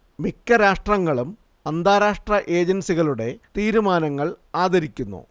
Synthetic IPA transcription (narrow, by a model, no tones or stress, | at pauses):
mikʲːɐɾaːʂʈrɐŋːɐɭum | ɐnd̪ʱaːɾaːʂʈrɐʔe̞ːd͡ʑɐnsiɣɐɭuɽe̞t̪iːɾumaːnɐŋːɐɭaːd̪ʱɐɾikʲːunːṵ